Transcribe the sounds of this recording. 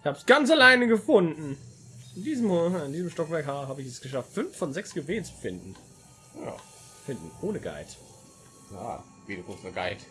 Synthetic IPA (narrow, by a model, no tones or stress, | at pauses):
ɪçhaːbəsɡ̥ant͡salaɪnəɡəfʊndn̩ɪndiːzəmondiːzəmʃtɔkv̥ɛɐkhaːɐɦaːbəɪçɛsɡ̥əʃaftfʏnfːɔnzɛksɡ̥əveːnt͡su̥fɪndn̩ | a̰ | fɪndn̩ʔoːnəɡa̰ɪt | ja̰ | viːdukʰʊkstnɪɡ̥aɪt